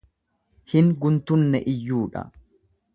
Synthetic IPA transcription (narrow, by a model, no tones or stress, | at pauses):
hɪŋɡʊnt̪ʊnːɛʔɪjːuːᶑɐ̰